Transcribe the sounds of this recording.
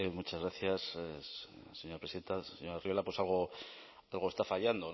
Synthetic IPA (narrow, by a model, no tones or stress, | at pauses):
mut͡ʃazɣɾaθjas | seɲoɾapɾeiðe̞nt̪aseɲoɾarijo̞lapwe̞salɣ̞o̞ | alɣoest̪afaʎand̪on